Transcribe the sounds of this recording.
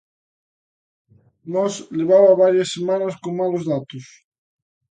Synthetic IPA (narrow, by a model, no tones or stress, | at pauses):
nɔsleβ̞aβaβaɾjasːemanɐskoŋmalozðat̪os